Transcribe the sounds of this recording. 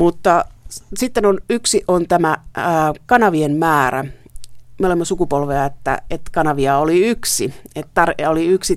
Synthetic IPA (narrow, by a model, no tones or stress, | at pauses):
mut̪ːɑsit̪ːenonyksiʔont̪æmæː | kɑnɑʋiemmæːɾæ̰ | meolemːɑsukupolʋeɑet̪ːæ̰et̪kɑnɑʋiɑoliyksiet̪tɑroliyksi